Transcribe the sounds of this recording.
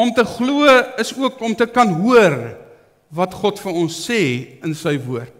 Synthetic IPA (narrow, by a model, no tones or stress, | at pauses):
ɔmtəχluəəsuəkɔmtəkɐnɦuər | vɐtχɔtfəɾɔnsːɛːənsəjvuərt̚